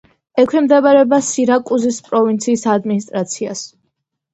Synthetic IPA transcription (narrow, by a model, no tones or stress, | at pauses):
ɛkʷʰwɛmd̪ɛbaɾɛbasiɾakʼuzispʼɾɔvint̪sʰiːsad̪minist̪ʼɾat̪sʰias